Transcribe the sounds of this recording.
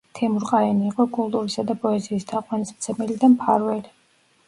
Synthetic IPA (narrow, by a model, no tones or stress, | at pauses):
t̪ʰɛmuɾqʼaɛniːqʼɔkʼulˠt̪ʼuɾisad̪apʼɔɛziːsd̪aqʼwanismt̪sʰɛmɛlid̪ampʰa̰ɾvɛli